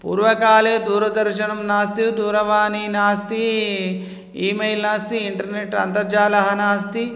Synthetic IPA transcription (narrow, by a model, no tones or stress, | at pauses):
pṵːɾʋɐkaːleːd̪uːɾɐd̪ɐɾʃɐnɐmnaːst̪id̪uːɾɐʋaːniːnaːst̪i | iːmejlnaːst̪iiɳʈɐɾneʈɐ̰nt̪ɐɾd͡ʒaːlɐɦɐnaːst̪i